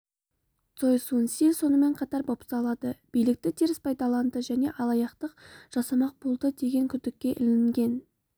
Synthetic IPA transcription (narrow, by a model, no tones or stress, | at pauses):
t̪so̞jsunsiso̞nəme̞ɴqʰɑt̪ɑɾbo̞psɑlˠɑd̪əb̥ijlɪk̚t̪ɪt̪ʰeɾɪspʰɑjd̪ɑlˠɑnd̪əʒæne̞ʔɑlˠɑjɑqt̪əqʒ̥ɑsɑmɑq̚bulˠd̪əd̪e̞ɡʲe̞ŋkʲʰʏd̪ɪkʲːe̞ʔɪlɪŋɡʲe̞n